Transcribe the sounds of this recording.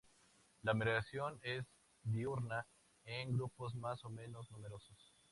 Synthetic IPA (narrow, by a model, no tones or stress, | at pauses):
lameɾɣɾasjo̞ne̞z | d̪iuɾna | eŋɡɾupo̞zmasomẽ̞no̞znume̞ɾo̞sos